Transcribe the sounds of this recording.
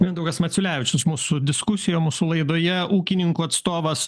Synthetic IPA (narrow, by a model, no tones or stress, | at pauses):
ʋʲiɛnd̪ɐʊɡɐsmɐt̪sʲʊlʲæːʋʲɪt͡ʃʲʊsʃmuːsʊd̪ʲɪskʊsʲɪjoːmuːsʊlˠɐɪd̪oːjɛʔuːkʲɪnʲɪŋkuːɐt̪st̪oːʋɐs